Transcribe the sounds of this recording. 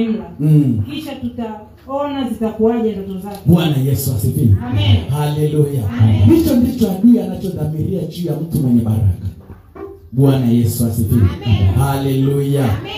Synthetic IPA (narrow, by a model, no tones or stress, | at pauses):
m̩lakiʃatuta | ɔnazitakuaʄandukuzakɓwanajɛsuasikḭhalɛlujandit͡ʃɔndit͡ʃɔaɗianat͡ʃɔðamiɾiad͡ʒijam̩tumwɛɲɛɓaɾa̰ka | ɓwanajɛsuasikiɾḭhalɛluja